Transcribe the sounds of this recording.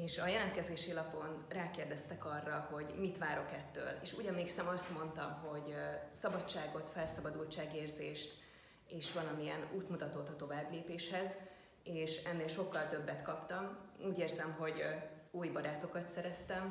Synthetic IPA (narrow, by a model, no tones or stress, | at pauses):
eːʃɒjɛlɛnt̪kɛzeːʃilɒpo̞nraːkeːrd̪ɛst̪ɛkɒrːɒho̞ɟmit̪ʋaːɾo̞kɛt̪ːø̰ːlḛːʃṵːɟɒmleːksɛmɒst̪mo̞nt̪ɒmɦo̞ɟsɒbɒt͡ʃt͡ʃːaːɡo̞t̪fɛlsɒbɒd̪ult͡ʃaːɡeːrzeːʃt̪ | eːʃʋɒlɒmiɛnuːt̪mut̪ɒt̪ot̪ːɒt̪o̞vaːbleːpeːʃhɛz | eːʃɛnːeːlʃo̞kːɒlt̪ø̞bːɛt̪kɒpt̪ɒmuːɟeːrzɛmɦo̞ɟ | uːjbɒɾaːt̪o̞kɒt̪sɛɾɛst̪ɛm